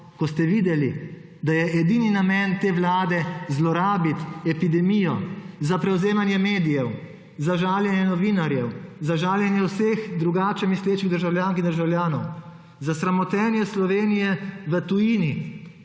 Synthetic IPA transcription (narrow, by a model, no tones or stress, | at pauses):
kɔst̪ɛʋid̪ɛli | d̪ajɛʔɛd̪ininamɛnt̪eːʋlaːd̪ɛzlɔɾaːbit̪ɛpid̪ɛmijɔ̰zapɾɛwzeːmanjɛmeːd̪ijɛw | zaʒaːljɛnjɛnɔʋinaɾjɛwzaʒaːljɛnjɛwseːxd̪ɾuɡaːt͡ʃɛmisleːt͡ʃiɣd̪əɾʒawlʲjaːŋkind̪əɾʒawlʲjaːnɔ̰w | zasɾamɔt̪ɛːnjɛslɔʋeːnijɛʋət̪ujiːni